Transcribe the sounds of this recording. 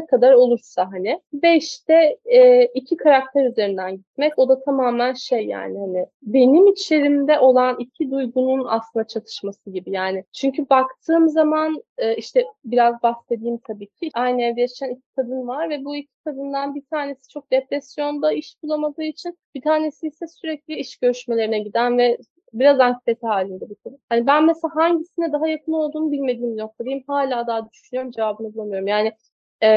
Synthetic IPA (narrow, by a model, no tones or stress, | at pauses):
kʰad̪aɾo̞lˠuɾsaɦanɪvɛiʃt̪ʰɛː | icʰikʰaɾak̚t̪ʰɛɾyze̞ɾind̪ænɟit̪mɛco̞d̪at̪ʰamaːmænʃejːa̰ːnɪhanɪ | be̞nimit͡ʃlʲe̞ɾimd̪ɛʔo̞lˠanicʰid̪ujɡununa̰slˠɯnd̪at͡ʃʰat̪ʰɯ̥ʃmasɯɟibijaːnɪt͡ʃʰyɲcʰybakt̪ʰɯːmzamanɯːiʃt̪ʰɛbiɾazbase̞d̪iːmt̪ʰabiːcʰiʔajnɛɾd̪ejat͡ʃʰænicʰi̥kʰad̪ɯnvaɾvɛbuicʰi̥kʰad̪ɯnd̪anbit̪ʰaːne̞si̥t͡ʃʰo̞k̚d̪̥epɾɛsjo̞nd̪aiʃbulˠamad̪ɯːit͡ʃʰinb̥it̪ʰaːne̞siːsɛsyɾɛclʲiiʃɟ̥øɾyʃme̞lʲe̞ɾinɛɟid̪ænvɛ | biɾazankʰi̥t̪ʰe̞t̪ʰiɦaːlʲind̪ɛbuk̪ʰad̪ɯnhanibænmeselaːɦaɲɟisinɛd̪aɦajakʰɯno̞lˠd̪uːnubilʲme̞d̪iːminok̚t̪ʰad̪ijimhaːlʲaːd̪aɦad̪yʃynyjo̞ɾumd͡ʒe̞vaːbɯnɯblˠamɯjo̞ɾumjaːnɪ